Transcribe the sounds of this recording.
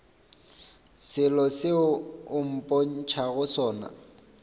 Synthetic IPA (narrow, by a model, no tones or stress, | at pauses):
sɪlɔsɪʊʊm̩pʼon̩t͡ʃʰaɣʊsɔːna̰